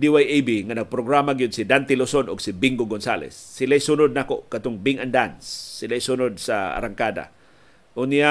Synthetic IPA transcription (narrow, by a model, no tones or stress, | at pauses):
d̪iwajejbiŋanɐɡ̚pɾoɡɾamaɡijod̪̚sid̪ant̪ɪlosonʊɡsibiŋɡoɡonsalɛ̰sːɪlajsunʊd̪̚nakoʔkat̪ʊŋbɪŋand̪ansːɪlajsunʊd̪̚saa̰ɾaŋkad̪a̰ | ʔʊnija